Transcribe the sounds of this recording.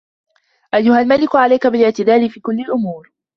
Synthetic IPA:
ʔajːʊhalmalɪkʕalajkabɪlɪʕt̪ɪd̪aːlifiːkʊlːɪlʔʊmuːɾ

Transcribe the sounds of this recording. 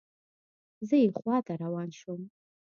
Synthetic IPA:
zaiχʷatʰʼaɾawanʂom

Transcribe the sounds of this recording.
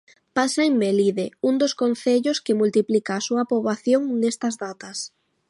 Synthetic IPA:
pasaeŋmeliðeund̪oskonθeʎoskɪmult̪iplikaːsuɐpɾoβaθjoŋnest̪ɐzðat̪ɐs

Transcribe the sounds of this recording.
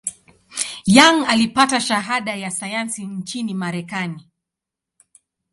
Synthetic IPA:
jaŋalipataʃaɦaɗajasajansint͡ʃinimaɾɛkani

